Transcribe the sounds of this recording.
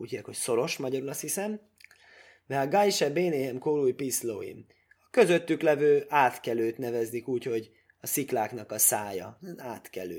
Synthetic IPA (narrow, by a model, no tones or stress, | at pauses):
uːchiːɛkho̞cso̞ɾo̞ʃmɒɟɒɾulɒshisɛm | mɛɒɡɒjʃɛbeːneːɛmkoːluːjpislo̰ːḭm | ɒkø̞zø̞t̪ːyklɛvøːʔaːt̪kɛløːt̪nɛvɛznikuːcho̞ɟ | ɒsiklaːkn̪ɒkɒsaːjɒ̰nɛnaːt̪kɛ̰lø̰ː